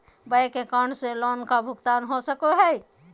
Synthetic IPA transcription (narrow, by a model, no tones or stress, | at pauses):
bəekekəɳɖselɔnkabʱuɡt̪anɦosəkoɦəj